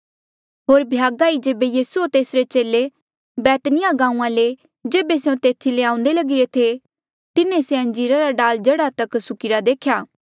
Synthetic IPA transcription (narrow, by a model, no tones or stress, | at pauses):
ɦoːɾbʱɪjaːɡaːid͡ʒeːbejiːsuot̪eːsɾet͡ʃeːle | bɛːt̪nɪjaɡãːũãle | d͡ʒeːbeseõt̪eːt̪ʰileãːʊ̃nd̪elɐɡɪɾet̪ʰe | t̪ɪnẽseɐ̃ɲd͡ʒiːɾaɾaɖaːld͡ʒɐəɽat̪ɐksʊkɪɾad̪eːkʰjaː